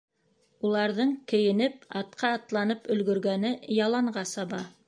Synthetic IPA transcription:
ulˠɑɾðɤɴkɘ̆jɘ̆nɘp̚ɑt̪̚qʰɑːt̪lˠɑnɤpɵ̆lɡɵ̆ɾɡænɘjɑlˠɑɴɢɑsɑβɑ

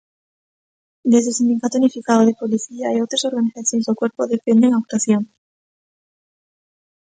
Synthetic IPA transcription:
d̪e̞zðe̞lsind̪ikat̪ounifikaðoðe̞poliθiaaiowt̪ɾaso̞ɾɣaniθaθjo̞nezðekwe̞ɾpoðepend̪eŋak̚t̪aθjo̞ŋ

